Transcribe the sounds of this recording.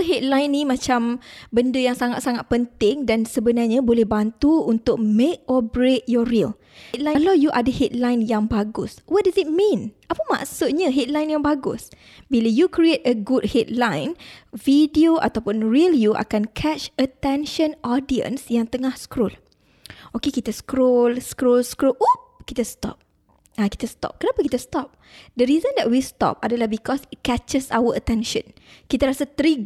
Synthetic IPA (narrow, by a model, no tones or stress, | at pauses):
ɦɛt̪̚lãjnimãt͡ʃambəndəjaŋsaŋat̪saŋat̪̚pənt̪ɪŋdansəbənarɲãbolɛhbant̪uunt̪ʊk̚mek̚ɔbɾet̪̚jɔriəl | t̪̚lalawjuʔadəhɛt̪̚lãjnjaŋbaɡʊswɔt̚dazit̪̚mĩnʔapəmã̰ʔsʊt̪̚ɲaɦɛt̪̚lajnjaŋbaɡʊ̰s | bilajukɾietəɡud̚hɛt̪̚lãjnvidioʔa̰t̪awpʊnɹiljuʔa̰kankʰɛt͡ʃət̪ɛ̃nʃə̃nɔdiə̰̃nsjaŋt̪əŋahskɾol | okekit̪askɾolskɾolskɾolukit̪əst̪ɔ̰p̚ | aki̥t̪əst̪ɔ̰p̚kənapakit̪əst̪ɔp̚ | dəɾizə̃ndɛʔ̚wist̪ɔ̰p̚adəlahbikɔsit̚kɛt͡ʃəsawəət̪ɛ̃nʃə̃n | kit̪aɾasat̪ɾiɡ